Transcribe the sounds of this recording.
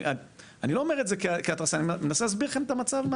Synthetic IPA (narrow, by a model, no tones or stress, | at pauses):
a | anilo̞ːmeʁetzekikiat̪ʁasanimenaselas̬zbiʁχe̞met̪amat͡savma